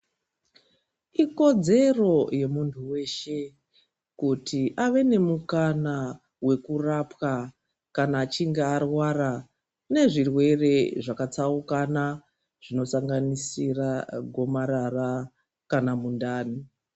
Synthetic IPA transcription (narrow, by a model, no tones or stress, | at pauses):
iko̞d͡ze̞ro̞je̞muntʰuwe̞ʃe̞ | kutʰiʔaʋe̞ne̞mukana | we̞kurapwa | kanaːt͡ʃiŋɡearwara | ne̞ʐirwe̞re̞ʐakat͡saukana | ʐ̥ino̞saŋɡanisiraɡʱo̞maɾara | kanamundaːni